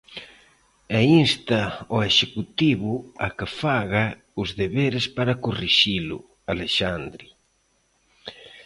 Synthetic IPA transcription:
ɛinst̪aoeʃekut̪iβʊakɪfaɣa | ʊzðeβeɾɪspaɾakoriʃilʊ̰ | aleʃand̪ɾi

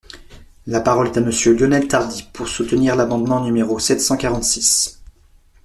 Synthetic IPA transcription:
lapaʁɔlɛt̪aməsjøljɔnɛlt̪aʁd̪ipʰuʁsut̪niʁlamɑ̃d̪mɑ̃nymeʁosɛt̪sɑ̃kaʁɑ̃t̪sis

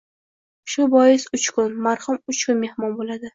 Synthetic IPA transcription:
ʃʊbɒjɪsʊt͡ʃkʰʊnmaɾhʊmʊt͡ʃkʊnme̞hmɒnbolad̪ɪ

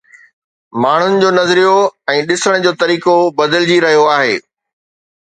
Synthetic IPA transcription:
maːɳ̤ʊnɪ̆d͡ʑoːnɐzɾijoɛ̃ːɗɪsəɽ̃d͡ʑoːt̪ɐɾiːkobɐd̪ɪld͡ʑiɾɐɦijoaːɦeː

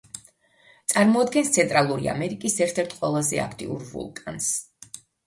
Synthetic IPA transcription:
t̪sʼaɾmɔad̪̚ɡɛnst̪sʰɛnt̪ʼɾalˠuɾia̰mɛɾikʼisɛɾt̪ʰɛɾt̪ʰʼqʼwɛlˠazɛ̰a̰kʰt̪ʼḭṵɾvṵlˠkʼans

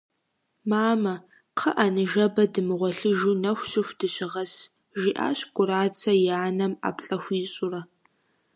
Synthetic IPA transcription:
maːmɐ | qʰəʔanɨʒɐbɐdɨmɨʁʷɔɬɨʒuːnɐxʷɕɪxʷd̥ɨɕɪʁɐs | ʒiːʔa̰ːɕkʷʼʊɾaːt͡sʰɐjaːnɐma̰ːpɬʼɐxʷiːɕʼʊrɐ

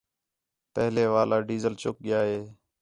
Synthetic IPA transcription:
pəɦleːʋaːlaːɖiːzəlt͡ʃʊk̚ɠɪjaːɦeː

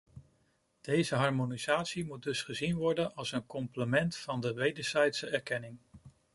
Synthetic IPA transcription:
d̥ejzəɦɑɹmonizaːtsimut̚dɵsχəzinʋɔɹdənɑlˠsənkɔmpləmɛntfɑndəʋejdəɹz̥ɛjtsəɛɹkɛnɪŋ

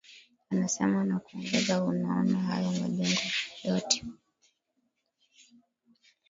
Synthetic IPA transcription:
anasɛmanakuɔŋɡɛzaunaɔnaɦa̰jɔmaʄɛŋɡɔjɔtɛ̥

